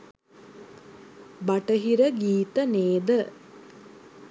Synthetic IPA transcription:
baʈəɦiɾəɡiːt̪əneːd̪ə

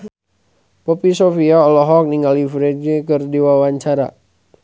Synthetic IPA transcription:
pɔpisofiaɔlɔɦɔk̚niŋɡalifɾed͡ʒikərdiwawaɲt͡ʃaɾa̰

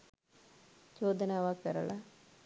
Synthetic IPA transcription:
d͡ʒoːd̪ɐnaːʋaːkɐɾɐla

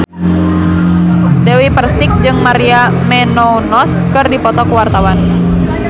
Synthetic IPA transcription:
dɛwipərsik̚d͡ʒɨŋmaɾia | mɛnɔnɔskɨrdipɔt̪ɔkuwart̪awan

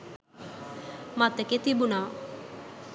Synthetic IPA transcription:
mat̪eket̪ibuna

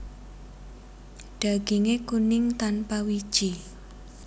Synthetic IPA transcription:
ɖ̥a̤ɡ̥iŋekunɪŋt̪anpawid̥ʒ̥i

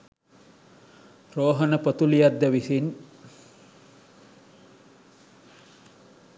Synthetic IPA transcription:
roːɦənəpət̪ulijad̪ːəʋisin

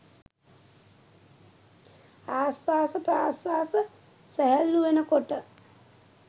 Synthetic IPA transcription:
aːsʋaːsəpɾaːsʋaːsə | sæɦælːuʋenəkoʈə

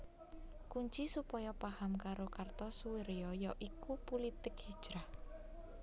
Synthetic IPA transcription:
kuɲt͡ʃisupɔjɔpahamkaɾokart̪ɔsuwiɾjɔjɔʔikupulit̪ɪkhid̥ʒ̥ɾah

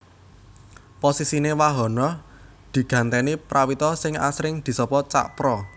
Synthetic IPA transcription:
posisinewaɦɔ̤nɔ | d̪̥i̤ɡ̥ä̤nt̪ɛnipɾawit̪ɔsɪŋa̰sɾɪŋd̪̥i̤sɔpɔt͡ʃa̰ʔpɾɔ

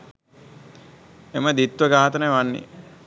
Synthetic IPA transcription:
eməd̪it̪ʋəɡaːt̪ənəjʋanːḭ

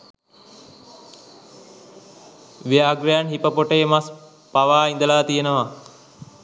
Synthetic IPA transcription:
ʋijaːɡɾijanɦipəpoʈəjemas | paʋaːind̪əlaːt̪ijenəʋa

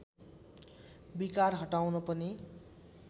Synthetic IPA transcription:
bikarɦʌʈawnʌpʌni

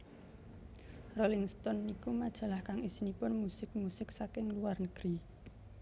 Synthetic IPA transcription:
rolɪŋst̪ɔnikumad̥ʒ̥ä̤lahkaŋisinipʊnmusɪk̚musɪksakɪŋluarnəɡ̥ɾi

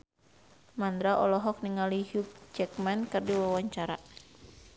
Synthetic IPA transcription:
mand̪ɾaʔɔ̰lɔɦɔk̚niŋaliɦjuk̚t͡ʃɛk̚mankɨrdiwawaɲt͡ʃaɾa̰

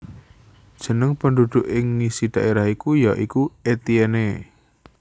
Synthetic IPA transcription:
d̥ʒ̥ə̤nəŋpəndud̪̥ʊʔɪŋːisid̥ä̤ʔeɾahikujaʔikuet̪iɛne

